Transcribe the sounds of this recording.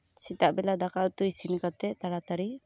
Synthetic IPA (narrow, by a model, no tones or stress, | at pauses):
sit̪aʔbɛlad̪akaut̪uisinikat̪ɛt̪aɾat̪aɾi